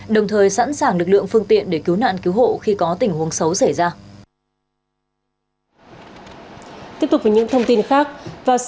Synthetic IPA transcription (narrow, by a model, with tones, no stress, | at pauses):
ɗə˨˩wŋ͡mt̪ʰəː˨˩jsa̰ː˧˥nsaː˨˩ŋlɨ˨˩k̚lɨ̰˧˨əŋfɨ˧əŋt̪ḭ˧˨ənɗe˧˩ki˨˦wna̰ː˧˨nki˨˦wɦo̰˧˨xi˧kɔ˨˦t̪ï˨˩ŋhu˨˦əŋsə˨˦wsa˧˩jzaː˧ | t̪i˦˥əpt̪ʊ˨˩vaː˨˩ɲɨ̰˧˥ŋt̪ʰə˧wŋ͡mt̪i˧nxaː˦˥k̚vaː˨˩